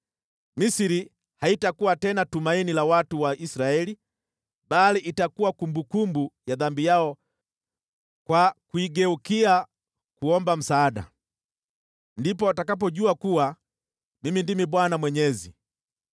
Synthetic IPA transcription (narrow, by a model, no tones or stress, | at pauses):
misiɾi | haitakuwatɛnatumainilawatuwaʔisɾaɛli | baliʔitakuwakumbukumbujaðambijaɔ | kwakuiɡɛukia | kuɔmbam̩saːda̰ | ndipɔtakap̬ɔɟuakuwa | mimindimibwanamwɛɲɛzi